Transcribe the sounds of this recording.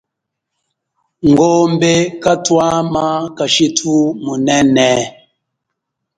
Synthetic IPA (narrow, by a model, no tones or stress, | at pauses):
ŋɡombekatwamakaʃitumunɛnɛ